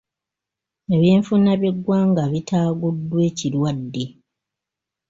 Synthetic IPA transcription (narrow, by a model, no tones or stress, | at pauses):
eβjeːɱfunaβje̞ɡːwaːŋɡaβitaːɡudːwe̞ːciɾwadːe̞